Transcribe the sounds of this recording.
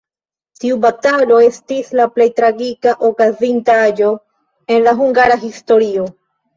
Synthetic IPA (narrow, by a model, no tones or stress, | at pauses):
tiubatalo̞e̞stislaple̞jtɾaɡikaʔokazintaaad͡ʒo̞ | e̞nlaɦuŋɡaɾaɦisto̞ɾio̞